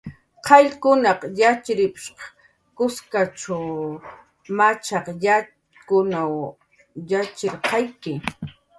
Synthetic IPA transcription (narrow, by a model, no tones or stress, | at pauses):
qʰɑʎkʊnɑqjat͡ʃɾɪpʃqɑ̥ | kʊskat͡ʃaw | mat͡ʃɑqja | kʊnaw | jat͡ʃɪɾqɑjkɪ